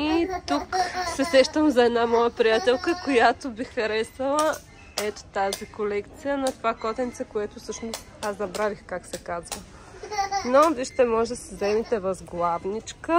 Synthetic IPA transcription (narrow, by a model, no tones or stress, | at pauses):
it̪uksɛsɛʃt̪əmzɐɛd̪namɔjəpɾijat̪ɛlˠkəkojat̪obixxɐɾɛsvɐlˠə | ɛt̪o̥t̪azikolɛkt̪sijənɐt̪ovakɔt̪ɛnt̪sɛkoɛt̪ʊsɤʃnʊst̪ | azzɐbɾalixkaksɛkazvə | noviʃt̪ɛmɔʒd̪sɛzɛmit̪ɛvɐzɡlˠavnit͡ʃkə